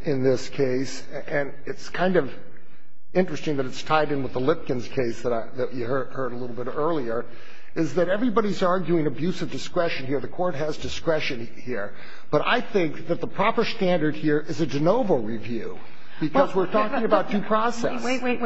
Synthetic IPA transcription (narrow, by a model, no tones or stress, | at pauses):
ɨ̃nðɪskʰeɪs | ɨ̃n | ɨtskʰãɪ̃ndʌv | ɪ̃nt͡ʃɹ̥ɨstɪ̃ŋðɨɾɨtstʰaɪɾɨ̃nwəðəlɪp̚kɨ̃nz̥kʰeɪsðəɾaɪðɨt͡ʃɨɜ˞dhɜ˞ɾəlɪɾl̩ˠbɪɾɜ˞lˠiə˞ | ɪzðɨɾɛvɹibɑɾizɑɹɡjʉɪ̃ŋɨbjʉsʌvdɨskɹɛʃɨ̃nhiɹðɨkʰɔɹt̚ɦɨzdɨskɹɛʃɨ̃n | hiɹ | b̥ʌɾa̰ɪθɪ̃ŋk̚ðɨt̪̚ðəpʰɹ̥ɑpə˞stæ̃ndə˞d̚hiɹʔɨzɨd͡ʒɨnoʊvl̩ˠɹivjʉ | b̥ɨkʌzwɪɹtʰɔkɪ̃ŋɨbaʊt̚ʉpʰɹ̥ɔsɛ̰s